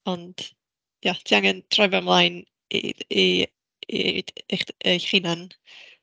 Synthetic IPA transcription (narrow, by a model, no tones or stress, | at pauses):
ɔnd̥ | jatʰiaŋəntʰrɔjvamlˠajn | ḭi | iḛd̥eχejχinan